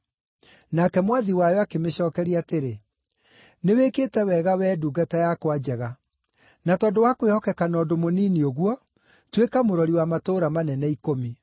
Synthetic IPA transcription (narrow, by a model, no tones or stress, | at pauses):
nakɛmwaðiwajɔakemeɕɔːkɛɾiateɾe | neweketɛwɛɣawɛːduːɡatajakwad͡ʑɛɣa | natɔdowakowehɔkɛkanɔːdomoniːnioɣwɔ | twekamoɾɔɾiwamatoːɾamanɛnɛikomi